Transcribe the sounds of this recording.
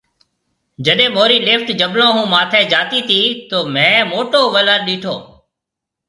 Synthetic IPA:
d͡ʒəɗẽːmoːɾiːleːfʈd͡ʒəɓlõːɦũːmaːt̪ʰɛ̃ːd͡ʒaːt̪iːt̪ʰiːt̪oːmɛ̃ːmoːʈoːʋələɾɗiːʈʰoː

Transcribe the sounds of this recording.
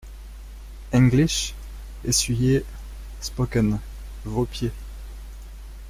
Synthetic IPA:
ɛ̃ŋɡliʃ | esɥije | spɔkən | vopje

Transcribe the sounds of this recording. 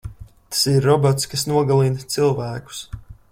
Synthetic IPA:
t̪ḁsiɾːɔbɔt̪skasnuɔɡalˠint̪silˠvæːku̥s

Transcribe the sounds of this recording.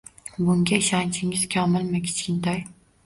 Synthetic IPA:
bʊŋɡʲaiʃɑnt͡ʃʰɪŋɪz̥kʲʰɒmɪlˠmɪkʲʰɪ̥t͡ʃʰkʲɪnt̪ʰaj

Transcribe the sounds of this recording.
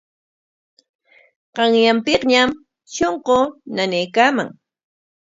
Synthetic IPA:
qɑŋjampɪqɲam | ʃoɴqonanejkaːma̰ŋ

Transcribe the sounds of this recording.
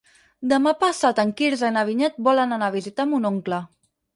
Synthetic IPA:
d̪əmapasat̪əŋkiɾzənaβ̞iɲɛt̪̚bɔlənanaβ̞izit̪amunoŋklə

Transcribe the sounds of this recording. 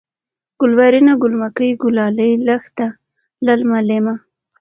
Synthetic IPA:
ɡ̥ʊlwaɾinaɡʊlmakəjɡʊlɑləjlaxt̪a | lalmalema

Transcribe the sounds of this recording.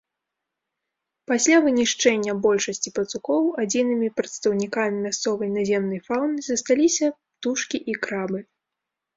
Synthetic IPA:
pasʲlʲavɨnʲiʂt͡ʂɛnʲːɐbɔlʲʂɐsʲt͡sʲipɐt̪sukɔwad͡zʲinɨmʲipɾɐt̪st̪ɐwnʲikamʲimʲast̪sɔvɐjnazʲɛmnɐjfawnɨzɐst̪alʲisʲɐpt̪uʂkʲiʔikɾabɨ

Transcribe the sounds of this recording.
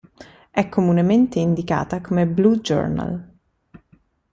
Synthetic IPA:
ɛkʰːomunement̪eind̪ika̰ːt̪akomeblud͡ʒo̰rna̰l

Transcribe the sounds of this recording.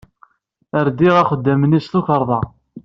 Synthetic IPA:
əɾd̪iʁæχəd̪ːəmənisθuçəɾˤðˤɑ

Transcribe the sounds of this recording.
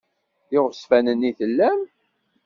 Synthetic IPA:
ɪʁsfænənːiθəlːæm

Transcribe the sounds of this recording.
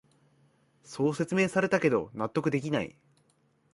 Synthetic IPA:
so̞ːse̞t͡sɨme̞ːsaɾe̞t̪ake̞d̪o̞̰nat̪ːo̞kɯ̟d̪e̞k̬ʲinaḭ

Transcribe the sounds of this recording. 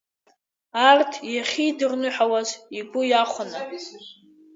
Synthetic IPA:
artʰjaχʲidɨrnɨħawaziɡʷʼʊjaχʷana

